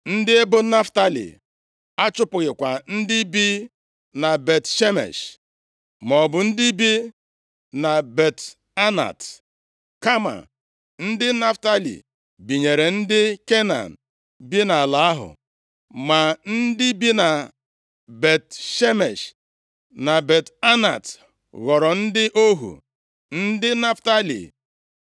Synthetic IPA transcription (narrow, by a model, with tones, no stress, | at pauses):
n̩˦dɪ˦e˦bʊ˦na˦fta˦lḭ˨ | a˦t͡ʃʊ˦pʊ˨ɣɪ˨kʷa˨n̩˦dɪ˦bi˦ | na˨be˨tʃe˦mḛ˨ʃ | mɔ˨bʊ˨n̩˦dɪ˦bi˦ | na˨be˨t | a˦na̰˨t | ka˦ma̰˨ | n̩˦dɪ˦na˦fta˦lḭ˨ | bi˨ɲe˨ɾe˨n̩˦dɪ˦ke˦na̰˨n̩˨ | bi˦na˨la˨a˦ɦʊ̰˨ | ma˨n̩˦dɪ˦bi˦na˨ | be˨tʃe˦me˨ʃ | na˨be˨ta˦na̰˨t | ɣɔ˨ɾɔ˨n̩˦dɪ˦ʔo˦ɦṵ˨ | n̩˦dɪ˦na˦fta˦lḭ˨